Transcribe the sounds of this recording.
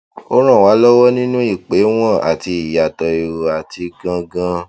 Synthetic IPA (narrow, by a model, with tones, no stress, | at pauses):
o˦ɾ̃ã˦˨wa˨˦lɔ˦wɔ˦nĩ˦nũ˦i˦˨k͡pe˨˦w̃ɔ̃˦˨a̰˨ti˧˨ja˨tɔ˨i˨ɾo˨a˨ti˧ɡã˧ɡã˧